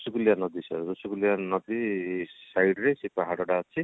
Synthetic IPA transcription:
suɡuljanʌd̪isʌ̰ɾusuɡuljanʌd̪isajɖɾesipaɦaɽɔɽat͡sʰi

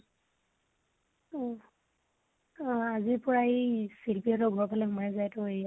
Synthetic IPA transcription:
ɔ | azipɔɹaejsilpiatɔɡʱɔɹpalɛɦumajzajtɔej

